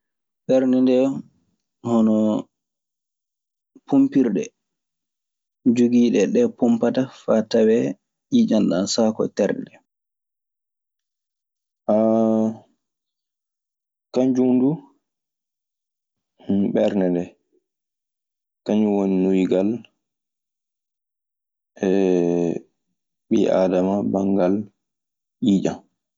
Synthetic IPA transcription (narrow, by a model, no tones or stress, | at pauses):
ɓɛɾnɛndɛ | hɔnɔ | pʰumpiɾɗɛ̰ | d͡ʒuɡiːɗɛɗɛpumpatafatawɛ | id͡ʒanɗa̰nsakɔ̰tɛɾdɛ | ʔa | kaɲd͡ʒumdu | ɓɛɾnɛndɛ | kaɲuwoninujɡal | ɛ | ɓiʔa̰damabaŋɡal | ʔiːd͡ʒa̰n